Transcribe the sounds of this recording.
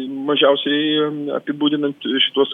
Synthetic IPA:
mɐʒʲɛʊsʲɛɪɐ̰pʲɪbuːd̪ʲɪnɐnt̪ʃʲɪ̥t̪uɔs

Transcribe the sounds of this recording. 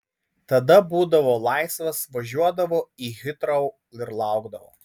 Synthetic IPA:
t̪ɐd̪ɐbuːd̪ɐʋoːlˠɑɪsʋɐsʋɐʒʲuɔd̪ɐʋoːiːɣʲɪt̪ɾɐʊ | ɪɾlˠɑˑʊɡd̪ɐʋo̰ː

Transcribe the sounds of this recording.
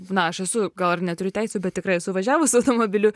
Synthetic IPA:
nɐɐʃɛsʊɡɐlˠɐrnʲɛt̪ʊɾʲʊtʲɛɪsʲoːbʲɛt̪̚ʲtʲɪkɾɐɪɛsʊʋɐʒʲæːʋʊsʊɐʊt̪oːmoːbʲɪlʲʊ

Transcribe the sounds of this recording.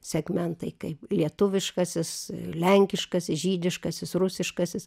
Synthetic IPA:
sʲɛɡmʲɛnt̪ɐɪkɐɪplʲiɛt̪ʊʋʲɪʃkɐsʲɪslʲɛŋʲkʲɪʃkɐsʲɪsʒʲiːd̪ʲɪʃkɐsʲɪsrʊsʲɪʃkɐsʲɪs

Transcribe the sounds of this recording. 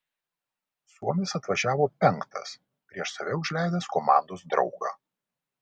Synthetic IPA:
suɔmʲɪsɐt̪ʋɐʒʲæːʋoːpʲɛŋˑkt̪ɐ̰s | pʲɾʲiɛʃsɐʋʲɛʊʒʲlʲæˑɪd̪ɐskomɑ̰ːˑnd̪oːsd̪ɾɒ̰ʊɡɑ̰ː

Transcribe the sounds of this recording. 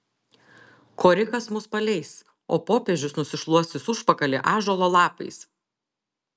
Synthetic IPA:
kʰoːɾʲɪkɐsmʊspɐlʲɛɪs | o̰ːpoːpʲeɛʒʲʊsnʊsʲɪʃlˠuɔst̪ʲɪsʊʃpɐkɐlʲɛʔɑːʒoːlˠoːlˠɑːpɐɪs

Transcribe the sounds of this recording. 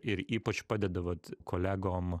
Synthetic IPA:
ɪɾiːpɐt͡ʃpɑːd̪ʲɛd̪ɐʋɐːt̪kʰoːlʲæːɡoːm

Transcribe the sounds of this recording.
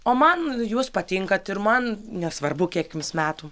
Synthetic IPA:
oːmɐnjuːspɐt̪ʲɪŋkɐt̪ɪɾmɐnnʲɛsʋɐrbʊkʲiɛkʲjɪmsmʲæːt̪ʊː

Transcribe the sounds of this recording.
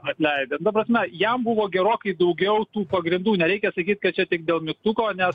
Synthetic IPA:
ɐt̪ʲlʲɛɪd̪ʲent̪ɐp̬ɾɐsʲmʲɛjɛmbʊʋoːɡʲɛɾoːkɐɪd̪ɐʊɡʲɛʊt̪uːpɐɡɾʲɪnd̪uːnʲɛɾʲɛɪkʲɛsɐkʲiːt̪̚ʲkɐt̚t͡ʃʲɛt̪ʲɪk̚d̪ʲeːlˠmʲɪkt̪ʊkoːnʲɛs

